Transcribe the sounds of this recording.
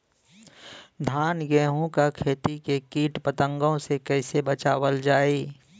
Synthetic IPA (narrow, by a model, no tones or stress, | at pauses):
d̪ʱaːnɡɛːɦõkakʰeːt̪ikekiːʈpət̪ə̃ŋɡõsekɛːsebət͡ʃaːwəld͡ʒaːiː